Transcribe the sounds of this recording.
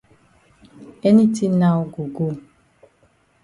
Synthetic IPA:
e˦ni˦ti˦na˦ɡu˨ɡo˦

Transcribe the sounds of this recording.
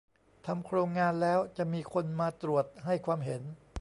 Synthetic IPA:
t̪ʰa˧mkʰɾoː˧ŋːaː˧nlɛː˦˥wt͡ɕa˨˩ʔmiː˧kʰo˧nmaː˧t̪ɾu˨˩ət̪̚ha˥˩jkʰwaː˧mɦe˩˦n

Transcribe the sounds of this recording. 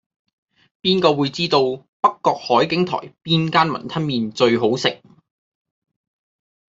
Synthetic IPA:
piː˥nkɔː˧wuː˨˧jt͡siː˥t̪o˧w | pɐ˥kːɔː˧k̚hɔː˨˥jkɪ˨˥ŋt̪ʰɔ̰ː˨˩jpiː˥nkaː˥nmɐ̰˨˩nt̪ʰɐ˥nmiː˨nt͡ʃɵ˧ɥɦo˨˥wsɪ˨k̚

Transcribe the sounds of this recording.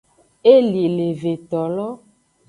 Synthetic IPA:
e˦li˨le˨ve˨t̪ɔ˨lɔ˦

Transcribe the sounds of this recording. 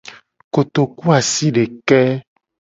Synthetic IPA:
ko˨t̪o˨ku˦a˨si˦ɖe˨kɛ˦

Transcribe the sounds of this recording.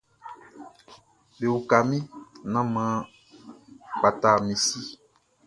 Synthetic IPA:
be˨wu˨ka˨mĩ˦nã˦mã˨˦ | k͡pa˨ta˨mĩ˨si˦

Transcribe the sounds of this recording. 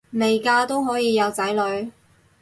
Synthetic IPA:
me˨jkaː˧t̪o˥wɦɔː˨˥jiː˨˧jɐ˨˧wt͡sɐ˨˥jlɵ˨˧ɥ

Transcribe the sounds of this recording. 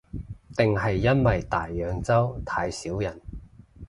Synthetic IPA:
t̪ɪ˨ŋɦɐ˨jːɐ˥nwɐ˨jt̪aː˨jːœː˨˧ŋt͡sɐ˥wt̪ʰaː˧jsiː˨˥wjɐ˨˩n

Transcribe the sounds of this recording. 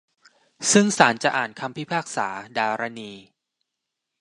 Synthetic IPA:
sɯ˥˩ŋsaː˩˦nt͡ɕa˨˩ʔaː˨˩nkʰa˧mpʰi˦˥pʰaː˥˩k̚sa̰ː˩˦daː˧ɾa˧niː˧

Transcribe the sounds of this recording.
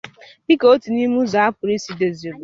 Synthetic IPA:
bi˦ko˨o˦ti˨ni˦mu˦za˨a˦pʊ˨ɾi˦si˨de˨zi˨ɾu˨

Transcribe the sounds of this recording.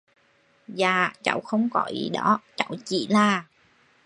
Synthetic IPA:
zaː˨˩t͡ɕə̰˧˩wxə˧wŋ͡mkɔ˧˩zḭ˨˩ɗɔ˨˦t͡ɕə̰˧˩wt͡ɕḭ˧˩laː˨˩

